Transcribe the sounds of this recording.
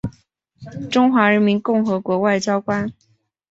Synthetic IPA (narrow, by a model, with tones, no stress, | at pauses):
ʈ͡ʂʊ˥ŋxwa˧˥ɻə˧˥nmi˧˥nkʊ˥˩ŋxɤ˧˥kwɔ˧˥wa˥˩ɪt͡ɕjɑ˥ʊkwa˥n